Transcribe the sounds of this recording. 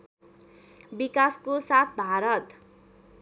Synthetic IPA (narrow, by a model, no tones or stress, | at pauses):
bikaskosat̪̚ʰbʱaɾʌt̪